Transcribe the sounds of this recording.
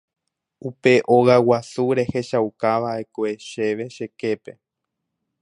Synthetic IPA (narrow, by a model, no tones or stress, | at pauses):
upe̞ʔoɣawasuɾe̞he̞ʃawkaʋaekoeʃe̞ʋe̞ʃe̞ke̞pe